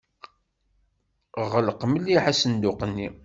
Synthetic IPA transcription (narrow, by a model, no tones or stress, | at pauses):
ʁəlqməlːiħasənd̪ʊqənːi